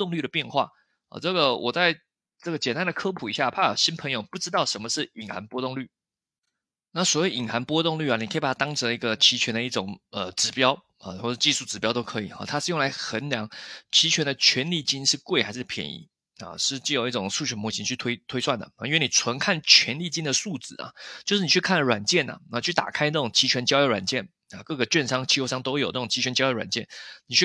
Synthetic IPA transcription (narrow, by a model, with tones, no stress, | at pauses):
ʊ˥˧ŋly˥˩ɾə˩pjɛ˥˧nxwa̰˥˩ | ɐ̰˨˩ʈ͡ʂɤ˥˩ɡə˩wʔɔ̰˨˩t͡sa˥˧ɪ | ʈ͡ʂɤ˥˩ɡə˩t͡ɕjɛ˨˩nt̪a˥nd̪ə˨kʰɤ˥pʰu˨˩i˧˥ɕja˥˩pʰa˥˩a˨˩ɕi˥npʰə˧˥ŋjo˨˩ʊpu˥˩ʈ͡ʂɻ̩˥t̪ɑ˥˩ʊʂə˧˥nmə˧ʂɻ̩˥˩i˨˩ŋxa˧˦npwɔ˥t̪ʊ˥˧ŋly˥˩ | na˥˩swɔ˨˩˦we˥˩ɪi˨˩ŋxa˧˦˥npwɔ˥t̪ʊ˥˧ŋly˥˩a˨˩ni˨kʰə˧˥˨pa˨˩a˥t̪ŋʈ͡ʂʰə˧˥li˧˥ɡə˧t͡ɕʰi˧˥t͡ɕʰɥɛ˧˥nd̪ə˧i˥˩ʈ͡ʂʊ˨˩ŋə˨ʈ͡ʂɻ̩˧˥pjɑ˥ʊ | ɐ̰˨˩wɔ˥˩ʂ̩˥˧t͡ɕi˥˧ʂu˥˩ʈ͡ʂɻ̩˧˩pjɑ˥ʊt̪o˥ʊkʰɤ˧˥i˨˩xɐ̰˨˩t̪ʰa˥ʂɻ̩˥˧jŋla˧˥ɪxə˧˦nljɑ˧˥˦ŋt͡ɕʰi˧˥t͡ɕʰɥɛ˧˥nd̪ə˧˨t͡ɕʰɥɛ˧˥nli˥˩t͡ɕi˥nʂɻ̩˥˧kwe˥˩ɪxa˧˥ɪʂɻ̩˥˩pʰjɛ̰˧˥nḭ˧˥˦ | ɐ̰˨ʂɻ̩˥˧t͡ɕi˥˩jo˨˩ʊi˥˩ʈ͡ʂʊ˨˩ŋʂu˥˩t͡ɕʰɥɛ˧˥nmwɔ˧˥ɕʰi˧˥nt͡ɕʰy˥˩t̪ʰwe˥ɪt̪ʰwe˥ɪswa˥˩nd̪ə̰˩˨˩i˥nwni˨˩t͡sʰwə˧˥nkʰa˥˩nt͡ɕʰɥɛ˧˥nli˥˩t͡ɕi˥nd̪ə˨su˥˩t͡sɹ̩˨˩ɐ̰˩t͡ɕjo˥˧ʂɻ̩˥˩ni˨˩t͡ɕʰy˥˩kʰa˥˩ɻwa˨˩nt͡ɕjɛ˥˩nɐ̰˩˥˨t͡ɕʰy˥˩t̪a̰˨˩kʰa˥ɪna˥˩ʈ͡ʂʊ˨˩ŋt͡ɕʰi˧˥t͡ɕʰɥɛ˧˥nt͡ɕjɑ˥ʊjo˧˥wa̰˨˩nt͡ɕjɛ˥˩n | ɐ˨˩kɤ˥˧˩ɡə˩t͡ɕɥɛ˥˧nʂɑ˥ŋt͡ɕʰi˥˧jo˥˧ʂɑ˥˧ŋt̪o˥ʊjo˨˩na˥˩ʊ˨˩ŋt͡ɕʰi˧˥t͡ɕʰɥɛ˧˥nt͡ɕɑ˥ʊjwa̰˨˩nt͡ɕjɛ˥˩nni˨˩t͡ɕʰy˥˩